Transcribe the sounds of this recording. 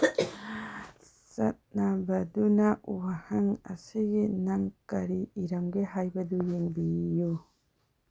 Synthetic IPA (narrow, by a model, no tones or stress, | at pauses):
sat̪̚nabad̪unaʔuwahaŋa̰siɡinaŋkaɾiːɾamɡeɦajbad̪ujiŋbiju